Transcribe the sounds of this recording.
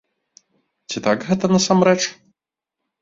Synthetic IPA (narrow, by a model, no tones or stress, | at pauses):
t͡sʲit̪aɡɣɛt̪ɐnɐsamɾɛt͡ʂ